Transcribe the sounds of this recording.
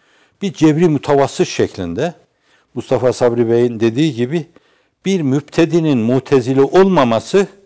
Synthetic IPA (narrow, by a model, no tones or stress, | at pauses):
b̥iɾd͡ʒɛbɾimut̪ʰavasɯʃʃɛclʲind̪ɛ | must̪ʰafasabɾibejind̪e̞d̪iːɟibi | b̥iɾmybt̪ʰed̪ininmut̪ʰezilʲiʔo̞lˠmamasɯ